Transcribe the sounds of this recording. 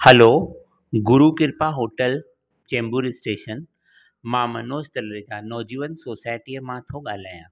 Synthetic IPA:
həlo | ɡʊɾukɪɾpaɦoːʈəl | t͡ɕẽːmbuɾɪsʈeːʃən | mãːmɐnoːst̪ɐlɾed͡ʑanɔːd͡ʑiːʋənsoːsaːjʈijəmãt̪ʰoɠaːl̤aːjaː

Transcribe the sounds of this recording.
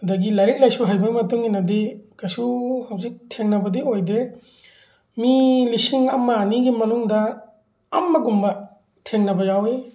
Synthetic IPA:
hɐdɐɡilaɾik̚lajsuɦajbamɐtuŋinɐdikɐsuhɐwzik̚tʰeŋnɐbɐdiojde | milisiŋɐmɐniɡimɐnuŋdɐː | mːɐɡumbɐ | tʰeŋnɐbɐjawe

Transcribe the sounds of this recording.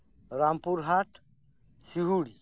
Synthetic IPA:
ɾampuɾɦaʈ | siɦuɽi

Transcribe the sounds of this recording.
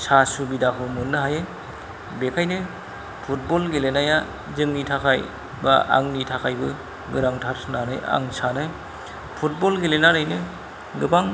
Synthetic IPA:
sasubidakʰɯmɯnːɯɦaje | bekʰajnɯ | pʰut̚bɔlɡelenaja | zɯŋnitʰakʰaj | ba̰ʔa̰ŋnitʰakʰajbɯ | ɡɯɾaŋtʰaɾsɯnanɯ̰ja̰ŋsanɯ | pʰut̚bɔlɡelenaɾɯjnɯ | ɡɯbaŋ

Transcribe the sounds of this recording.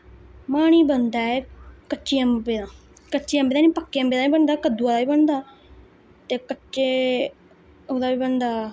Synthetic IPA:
maːɽ̃iːbənd̪aːɛːkətːt͡ʃiːəmbeːd̪ãː | kəʃiːə̃mbeːd̪aːnĩːpəkːeːəmbeːd̪aːiːbənd̪aːkəd̪uːaːd̪aːbiːbənd̪aː | t̪eːkətːʃeː | oːd̪aːʋiːbənd̪aː

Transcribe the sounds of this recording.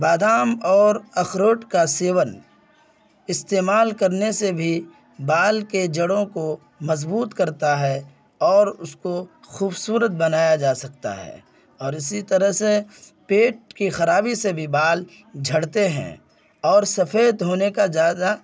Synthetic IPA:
baːd̪aːmɔːɾɐxɾoːʈkaseːwən | ɪst̪eːmaːlkɐɾnesebʱi | baːlked͡ʒɐɽõko | mɐzbuːt̪kɐɾt̪aɦɛ | ɔːɾʊsko | xuːbsuːɾət̪̚bɐnaːjad͡ʒaːsɐkt̪a̰ɦɛ̰ː | ɔːɾɪsit̪ɐɾəɦse | peːʈ̚kixɐɾaːbisebʱibaːl | d͡ʒʱɐɽt̪eɦɛ̰̃ː | ɔːɾsɐfeːd̪ɦoːnekazjaːd̪a

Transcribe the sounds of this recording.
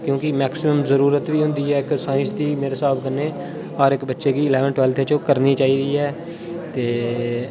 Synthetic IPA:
kjõːkɪmɛːksɪməmzəɾuːɾət̪ʋiːɦʊ̃nd̪iːɛːɪksaːɪ̃nsd̪iːmeːɾeːsaːbkənːeː | ɔːɾɪkbətːʃeːkiːɪlɛːʋənʈwɛːlt̪ʰet͡ʃokəɾniːt͡ʃaːiːd̪iːɛː | t̪eː

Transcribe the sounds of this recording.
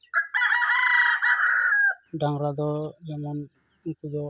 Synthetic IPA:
ɖaŋɾad̪ɔd͡ʒɛmɔn | ikud͡ʒɔ

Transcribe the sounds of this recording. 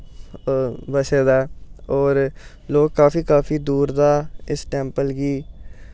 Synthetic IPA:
bəseːd̪aːɔːɾ | loːɡkaːfiːkaːfiːd̪uːɾd̪aːɪsʈɛːmpəlɡiː

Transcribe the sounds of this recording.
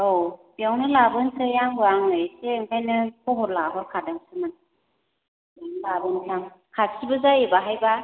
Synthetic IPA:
owb̥ijawnɯlabɯntʰɯjaŋbɯaŋɯjseɯŋkʰajnɯkʰɔɦɔɾlaɦɔɾkʰadaŋsɯman | biawnɯlabɯnkʰam | kʰat̚sʰibɯzajebaɦajba

